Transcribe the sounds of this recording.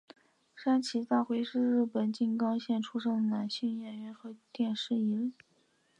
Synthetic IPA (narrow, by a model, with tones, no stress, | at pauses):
ʂa˥nt͡ɕʰi˧˥t͡s̪a˥˩xwe˧˥ɪʂɻ̩˥˧ɻɻ̩˥˩pə˨˩nt͡ɕi˥˩ŋkɑ˥ŋɕjɛ˥˩nʈ͡ʂʰu˥ʂɤ˥˩ŋna˨˩nɕy˥˧ŋjɛ˥˩nɥɛ˧˥nxɤ˧˥t̪jɛ˥˧nʂɻ̩˥˩i˧˥li˥˩